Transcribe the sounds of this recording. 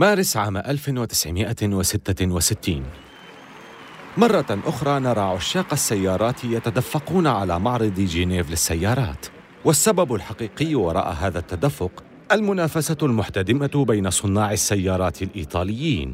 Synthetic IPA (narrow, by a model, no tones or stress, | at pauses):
maːɾɪsʕaːmʔalfɪwɪt̪ɪ̥sʕɪmɪʔawɪsɪt̪ːawɪsɪt̪ːiːn | mɑrˤːɑʔʊxɾˤɑːnɑɾˤɑːʕʊʃːɑːqasːajːɑːɾˤɑːt̪jat̪ad̪afːɑquːnaʕalaːmɑʕɾˤɨd̪ˤd͡ʒɪneːvlɪsːajːɑːɾˤɑ̰ːt̪ | wasːababʊlħaqiːqɪjːwɑɾˤɑ̰ːʔa̰ɦaːðat̪ːad̪afːʊq | ʔalmʊnaːfasalmʊħt̪ad̪ɪmabajnasˤʊnːɑːʕɪsːajːɑːɾˤɑːt̪ɪlʔiːt̪ˤɑːlɪjːiːn